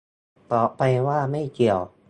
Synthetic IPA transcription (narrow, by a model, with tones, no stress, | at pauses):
t̪ɔ˨˦pa˧jwaː˥˩ma˥˩jki˨˩əw